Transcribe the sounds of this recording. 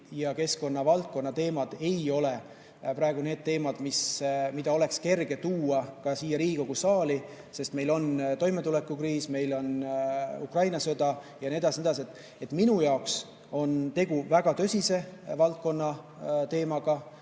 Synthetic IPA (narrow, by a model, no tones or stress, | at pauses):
jɑke̞sko̞nːɑvɑlt̪̚ko̞nːɑt̪e̞ːmɑd̪̥e̞jo̞le̞ | pɾɑe̞ɡ̥une̞ːd̪̥̚t̪e̞ːmɑd̪̥mismid̪̥ɑo̞le̞kske̞rɡ̥e̞t̪uːɑkɑsiːjɑɾiːɡiko̞ɡ̥usɑːli | se̞st̪me̞jlo̞nt̪o̞jme̞t̪ule̞kːˑukriːsme̞jlo̞nukrɑjnɑsod̪ɑ | jɑnied̪ɑsined̪ɑs̬ʲiet̪ːˑ | e̞t̪ːˑminujɑoks | o̞nt̪e̞ɡ̥uvæɡ̥ɑt̪ø̞sʲise̞vɑlt̪̚ko̞nːɑ | t̪e̞ːmɑɡ̥ɑ